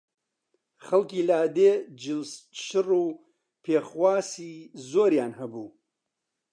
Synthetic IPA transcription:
χɐlkiːlaːd̪ed͡ʒɨlʃɨruː | pʰeːχwaːsiːzoːɾjaːnhɐbuː

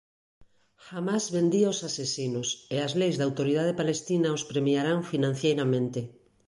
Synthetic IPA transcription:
xamazβend̪iaosasesinʊseazlejzðawt̪oɾið̞að̞epalest̪inaospɾemjaɾaɱfinãn̟θjejɾamẽnt̪ɪ

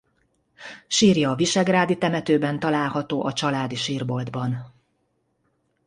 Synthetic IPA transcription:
ʃiːrjɒːviʃɛɡraːd̪it̪ɛmɛt̪øːbɛnt̪ɒlaːlhɒt̪oːʔɒt͡ʃɒlaːd̪iʃiːrbo̞ld̪bɒn

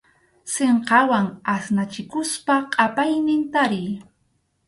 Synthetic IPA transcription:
seɴqɑwaŋasnat͡ʃɪkʊspaqʼɑpajnɪnt̪aɾɪj

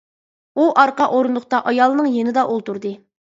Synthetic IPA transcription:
uʔɑɾqɑʔoɾunlˠʊχt̪ɑʔɑjɑlˠɨnɨŋjenɪd̪ɑʔolˠt̪uɾd̪ɨ

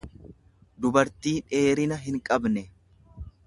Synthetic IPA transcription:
d̪ʊbɐɾt̪iːᶑe̞ːɾɪnɐɦɪŋkʼɐbnɛ

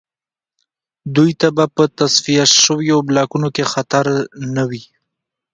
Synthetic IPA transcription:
d̪ujt̪abapət̪asfijaʃəwjoblɑkunokexat̪aɾnawi

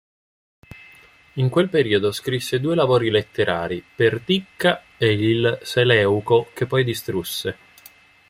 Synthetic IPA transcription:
iŋkwelpeɾiːod̪oskɾisːed̪uːelavoːɾilet̪ːeɾʔa̰ːɾipert̪ikːa | eilselɛːukok̟epːɔjd̪ist̪ɾusːe

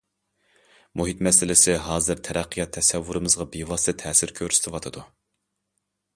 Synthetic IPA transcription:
muɦit̪mɛsɪlɪsɪɦɑːzɨɾt̪ʰɛɾɛqʰːɨjɑt̪ʰːɛsɛvːuɾɨmɨzʁɑbiwɑst̪ɨt̪ʰɛːsɪɾkʲʰøɾsɪt̪ɪwɑt̪ʰɨd̪u

